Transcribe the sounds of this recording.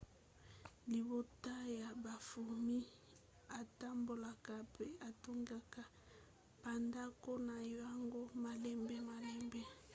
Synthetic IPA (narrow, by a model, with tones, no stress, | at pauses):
li˨bo˨ta˦ja˨ba˨fu˨mi˦ | a˨ta˦mbo˨la˨ka˨pe˦a˨to˦ŋɡa˨ka˨ | b̥a˨nda˦ko˦na˨ja˦ŋɡo˦ma˨lɛ˦mbɛ˦ma˨lɛ˦mbɛ˦